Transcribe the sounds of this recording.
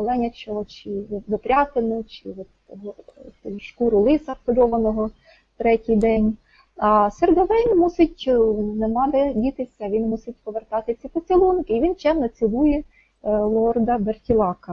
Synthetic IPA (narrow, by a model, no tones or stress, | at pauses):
ɔlˠɛnʲɐt͡ʃɔɦɔt͡ʃɪʋɪpɾʲɑt̪enʊt͡ʃɪʋɔt̪ | t̪ʲiʃkuɾʊlˠɪsɐpkɔlʲɔʋɐnɔɦɔ | t̪ɾɛtʲijd̪ɛnʲ | ɐsɛrɡɔʋɾɛjnmusɪtʲnemɑb̪edʲit̪ɪwsʲɐʋʲinmusɪtʲpɔʋert̪ɑt̪ɪt͡sʲipɔt͡sʲilˠunkɪiʋʲint͡ʃɛmnɐt͡sʲilˠujɛ | lˠɔrd̪ɐbertʲilˠɑkɐ